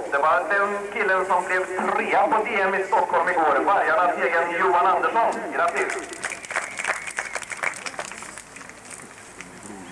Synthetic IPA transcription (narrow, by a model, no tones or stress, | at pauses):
d̪ɛvaɾad̪ɛnkʰʲɪlːənsɔmblɛvt̪ʰɾeːapʰɔveːɛmɪst̪ɔkʰːhɔlmɪɡoːɾvaɾjaɳaseːɡənjʊːanand̪əʂɔnɡɾat̪ːɪs